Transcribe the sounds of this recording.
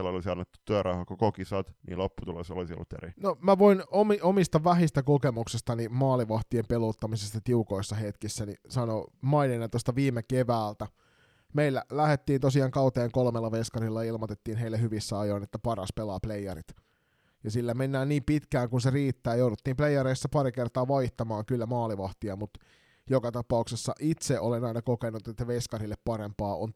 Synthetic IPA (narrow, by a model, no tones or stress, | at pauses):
elːoliseɑnːet̪ːu̥t̪ːyæɾɑhɑkokokisɑt̪nḭːlopːut̪ulo̰so̰lisio̰lːut̪ːḛrinomæʋoinomiomist̪ɑʋæhist̪ɑkokemuksest̪ɑnimɑːliʋɑht̪iempeloːt̪ːɑmisest̪ɑt̪iukoisːɑhet̪kisːænisɑnomɑininːent̪ost̪ɑʋiːmekeʋæːlt̪æ | meilːælæhet̪ːiːnt̪osiɑːŋkɑut̪eːŋkolmelːɑʋeskɑrilːɑilmot̪et̪ːiːnɦeilːehyʋisːæɑjoinet̪ːæpɑrɑ̰spelɑːplejɑɾḭt̪ | jɑsilːæmenːæːnniːmpit̪kæːŋkunseriːt̪ːæːjoudut̪ːiːmpleijːɑɾeisːɑpɑɾikert̪ɑːʋɑiht̪ɑmɑːŋkylːæmɑːliʋɑht̪iɑmut̪ | jokɑt̪ɑpɑuksesːɑ̰ʔit̪seʔolenɑinɑkokenːˑut̪et̪ːæʋeskɑrilːeppɑɾempɑːo̰n